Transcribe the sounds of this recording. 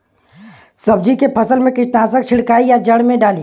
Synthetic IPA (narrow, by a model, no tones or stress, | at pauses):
sɐb̚d͡ʒikepʰɐsəlmẽkɪʃnaːsək̚t͡ʃʰɪɽkaːijad͡ʒəɽmẽɖaːliː